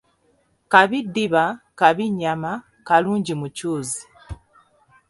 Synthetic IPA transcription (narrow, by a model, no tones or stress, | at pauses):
kaβidiβakaβiɲama | kaluːɲɟimucuːzi